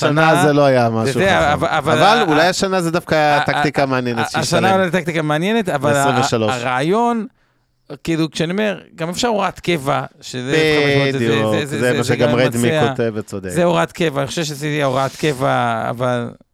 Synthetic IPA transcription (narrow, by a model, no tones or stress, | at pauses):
ʃanazelo̞ajamajʃoudeaavaavalvalulajaʃanazed̪afkaakkt̪ikameanjenetaʃanaulajat̪akt̪ikameanjenet̪avalsʁiveʃaloaʃʁaːjo̞n | kiːlukʃeaniome̞ʁɡamefʃaʁuʁat̪kevaʃezeioejeuzezemaʃeɡammʁed̪mikaotevet͡sod̪ekzeoʁat̪kevaːniχoʃevʃesitiaoʁaat̪kevaa̰val